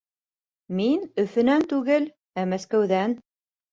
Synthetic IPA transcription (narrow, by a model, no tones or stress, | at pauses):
minɵ̆fɘ̆nænt̪ʉɡɘl | æmæskæwðæn